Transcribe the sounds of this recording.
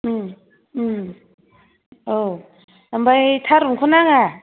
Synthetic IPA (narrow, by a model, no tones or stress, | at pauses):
o | ambajtʰaɾukʰunaŋa